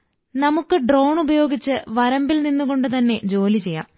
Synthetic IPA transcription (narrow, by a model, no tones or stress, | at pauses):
nɐmukːɨɖro̞ːwɳubɐjo̞ːɡit͡ɕːɨʋɐɾɐmbilninːuɣo̞ɳɖɨt̪ɐnːe̞d͡ʑo̞ːlit͡ɕe̞jːa̰ːm